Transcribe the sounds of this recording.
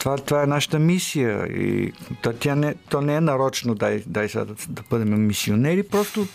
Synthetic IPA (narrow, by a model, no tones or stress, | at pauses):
t̪ovat̪vaɛnaʃə̥t̪əmisijə̰ḭt̪at̪ʲjanɛt̪ɔnɛɛnɐɾɔt͡ʃɛnod̪ajd̪ajsɛ̰d̪d̪ɐbəd̪ɛmɛmisionɛɾipɾɔst̪o